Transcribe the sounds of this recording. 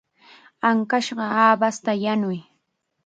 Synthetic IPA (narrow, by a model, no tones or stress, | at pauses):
aŋkaʃɢɑaːbast̪ajanʊj